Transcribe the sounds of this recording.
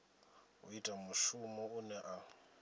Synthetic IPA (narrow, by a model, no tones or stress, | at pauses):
ṵitʼamʊʃumɔunɛʔa